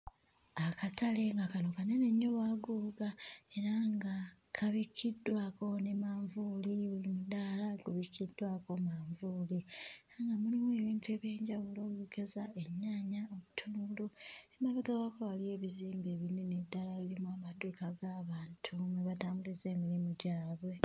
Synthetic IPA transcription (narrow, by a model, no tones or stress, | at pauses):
akatʰale̞ŋɡakano̞kaneneɲːoβaːɡuːɡae̞ɾaŋɡa | kʰaβikʰːidːwako̞ne̞maːɱvuːliβulimudaːlaɡuβikːidːwaːko̞maːɱvuliɾaŋɡamulimwe̞ːβiːntue̞ːβje̞ːɲɟaβulo̞ːkikezae̞ɲːaːɲaoβutʰuːŋɡuloemaβeɡawakowalie̞ːβiziːmbe̞ːβinenedːalaβilimuamadukaɡaːβaːntʰumeβataːmbulize̞ːmiɾimuɟaːβwe̞